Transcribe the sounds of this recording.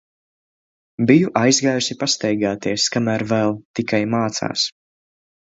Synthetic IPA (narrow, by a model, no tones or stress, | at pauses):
bijuʔajzɡaːjusipast̪ɛjɡaːt̪iɛskamæːɾvɛlˠt̪ikajmaːt̪sa̰ːs